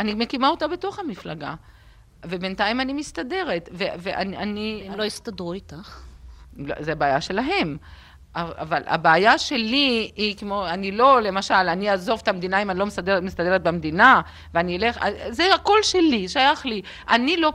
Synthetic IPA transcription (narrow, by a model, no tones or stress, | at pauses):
anime̞kimao̞t̪abe̞to̞χhamiflaɡa̰ | ve̞be̞ntajimanimist̪ade̞ʁet̪veveʔa̰nanilojist̪ad̪ʁuit̪aχ | lo̰zebeaːjaʃe̞laɦe̞m | aa̰vala̰beajaʃe̞liikemoanilo̞le̞maʃalaniaːzo̞vet̪amd̪inaimanilo̞mesademist̪ad̪e̞ʁet̪̚bemd̪ina | veanieleχazeako̞lʃe̞liʃajaχli | ʔanilo̞